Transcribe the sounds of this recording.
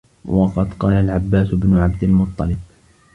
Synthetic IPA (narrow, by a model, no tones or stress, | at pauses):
wɑqɑd̪qɑːlalʕabːaːsʊbnʊʕabd̪almʊt̪ˤːɑlɪb